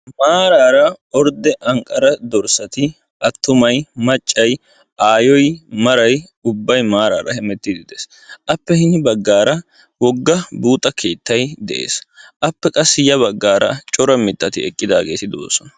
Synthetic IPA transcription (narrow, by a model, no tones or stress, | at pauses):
maːɾaːɾɐɔɾd̪ɛʔɐŋkʼɐɾɐd̪ɔɾsɐt̪ɪ | ɐt̪ːʊmɐjmɐt͡ʃʼːɐj | ʔaːjɔjmɐɾɐj | ʊbːɐjmaːɾa̰ːɾɐhɛmɛt̪ːɪd̪ɪd̪ɛs | ʔɐpːɛhɪnɪbɐɡːaːɾɐ | wɔɡːɐbuːt̪ʼːɐkʰe̞ːt̪ːɐjd̪ɛʔe̞̰ːsʔɐpːɛkʼɐsːɪjɐβɐɡːaːɾɐ̰t͡ʃʼɔɾɐmɪt̪ːɐt̪ɪɛkʼːɪd̪aːɡeːt̪ɪd̪o̰ːsɔnɐ